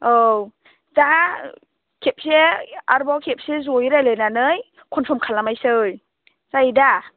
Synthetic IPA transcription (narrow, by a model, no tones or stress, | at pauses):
ow | za | kʰep̚seaɾbawkʰep̚sezojɾajlɯjnanɯj | kʰɔnpʰɔmkʰalamajsɯj | z̥aida